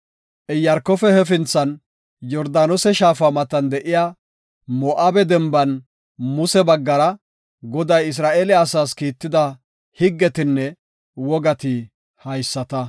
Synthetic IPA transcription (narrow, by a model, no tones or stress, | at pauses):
ʔɛjɐɾkːɔfɛhɛfɪnt͡sːɐn | jɔɾd̪aːnɔsɛʃaːfɐmɐt̪ɐnd̪ɛʔɪjaː | mɔːʔaːbɛd̪ɛmbɐn | mʊsɛbɐɡːɐɾɐ | ɡɔd̪ɐjɪs̬ɾaːʔeːlɛɐsaːskiːt̪ːɪd̪ɐ | hɪɡːɛt̪ɪnːɛ | wɔɡɐt̪ɪ | hɐjsːɐt̪ɐ